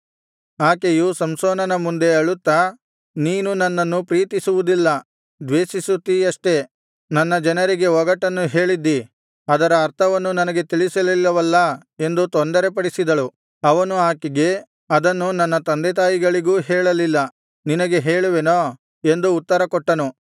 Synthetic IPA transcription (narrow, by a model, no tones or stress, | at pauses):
aːkejusɐmsoːnɐnɐmund̪e̞ɐɭut̪ːɐ | niːnunɐnːɐnːupɾiːt̪isuʋud̪ilːɐ | d̪ʋeːsisut̪ːiɐʂʈe̞ | nɐnːɐd͡ʒɐnɐɾiɡe̞ɔɡɐʈɐnːuɦeːɭid̪ːi | ɐd̪ɐɾɐːɾt̪ʰɐʋɐnːunɐnɐɡe̞t̪iɭisɐlilːɐʋɐlːɐ | e̞nd̪ut̪ond̪ɐɾe̞pɐɽisid̪ɐɭu | ɐʋɐnuaːkiɡe̞ | ɐd̪ɐnːunɐnːɐt̪ɐnd̪et̪̬aːjiɡɐɭiɡuːɦɛːɭɐlilːɐ | ninɐɡe̞ɦeːɭuʋenoː | e̞nd̪uːt̪ːɐɾɐkɔʈːɐnu